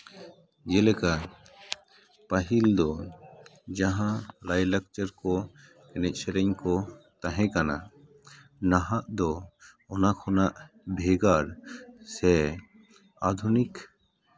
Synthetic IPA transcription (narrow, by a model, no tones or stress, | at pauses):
d͡ʒɛlɛka | paɦild̪ɔ | d͡ʒaɦãlajlək̚t͡ʃəɾkɔ | kɛnɛc̚ˀsɛɾɛɲkɔt̪aɦɛ̃kana̰ | naɦaʔd̪ɔ | ɔnakʰɔnaʔ | bʱɛɡaɾsɛ | ad̪ʱunik